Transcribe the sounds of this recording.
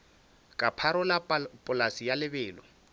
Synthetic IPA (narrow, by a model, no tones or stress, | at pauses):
kʼapʰaɾʊlapʼʊlasijalɪbɛːlɔ